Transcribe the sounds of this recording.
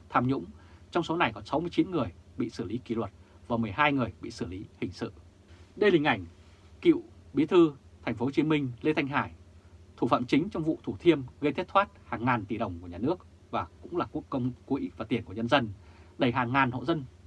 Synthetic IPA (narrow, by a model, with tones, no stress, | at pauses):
t̪ʰaː˧mɲʊ̰˧˥ŋ͡mt͡ɕɔ˧wŋ͡mso˨˦na˨˩jkɔ˨˦nsa˨˦wmɨ˧əjt͡ɕi˨˦nŋɨ˨˩əjɓḭ˧˨sɨ˧˩li˨˦ki˧˩lwə˨˩t̚ | vaː˨˩mɨ˨˩əjɦaː˧jŋɨ˨˩əjɓḭ˧˨sɨ˧˩li˨˦hï˨˩ŋ̟sɨ̰˧˨ | ɗə˧jlï˨˩ŋ̟ʔa˧˩jŋ̟ | kḭ˧˨wɓi˨˦t̪ʰɨ˧t̪ʰɛ˨˩ŋ̟fo˨˦˧t͡ɕi˨˦mï˧ŋ̟le˧t̪ʰa˧jŋ̟ɦaː˧˩jt̪ʰu˧˩fa̰ː˧˨mt͡ɕï˨˦ŋ̟t͡ɕɔ˧wŋ͡mvṵ˧˨t̪ʰu˧˩t̪ʰi˧əmɣə˧t̪ʰt̚t̪ʰwaː˦˥t̚haː˨˩ŋːaː˨˩nt̪i˨˩ɗə˨˩wŋ͡mku˧˩əɲaː˨˩nɨ˦˥ək̚ | vaː˨˩kʊ̰˧˥ŋ͡mlaː˨˩ku˦˥kə˧wŋ͡mku˨˧i˧˨˦vaː˨˩t̪i˨˩ənku˧˩˨ɲə˧nzə˧nɗə˧˩jɦaː˨˩ŋːaː˨˩nho̰˧˨zə˧n